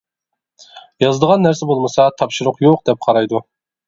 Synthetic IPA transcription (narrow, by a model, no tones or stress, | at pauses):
jɑzɨd̪əʁɑnːæɾsɛbolˠmɨsɑt̪ʰɑpʃʊɾʊqjoqd̪ɛp̚qʰɑɾɑjd̪u